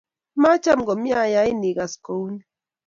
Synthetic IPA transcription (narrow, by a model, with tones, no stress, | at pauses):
ma˦t͡ʃa˦˨m˨ɡɔ˨mja˦˨ja˨˦i˦ni˨ɡa˨sko˨u˦n˦